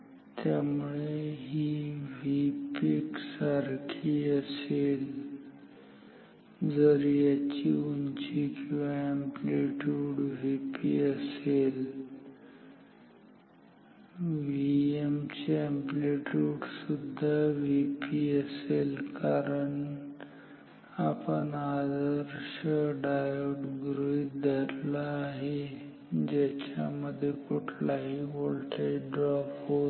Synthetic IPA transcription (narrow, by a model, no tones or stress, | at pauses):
t̪jamuɭeɦiːʋipiksaɾkʰiːəsel | d͡zəɾjat͡ɕiuɲt͡ɕikĩʋʋaempleʈuːɽʋepiəsel | ʋiemt͡ɕeempliʈuːʈsud̪ʱːaʋipiːəselkaɾəɳ | apəɳad̪əɾɕəɖajoʈɡɾujd̪ʱəɾlaːɦe | d͡ʑat͡ɕa̰məd̪ʱːjekoʈʰlaɦiʋoɭlʈʰaiɖɾɔpɦo